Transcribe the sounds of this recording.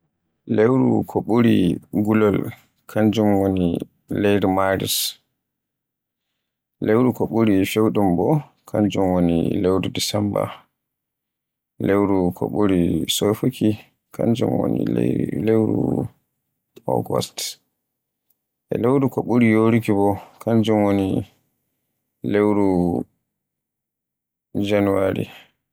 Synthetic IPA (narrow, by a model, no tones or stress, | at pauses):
lewɾṵkʰoɓuɾiɡulɔl | kʰaɲd͡ʒumwoni | lejɾimaɾḭs | lewɾukoɓuɾifewɗumbɔ | kʰaɲd͡ʒumwonḭlewɾudisɛmba̰ | lewɾukʰɔ̰ɓuɾisofuki | kʰa̰nd͡ʒṵmwo̰nḭlewɾṵ | ɔ̰ɡɔ̰st | ʔɛ̰lewɾukɔɓuɾijoɾikibɔkʰand͡ʒumwoni | lewɾu | d͡ʒanuwaɾḭ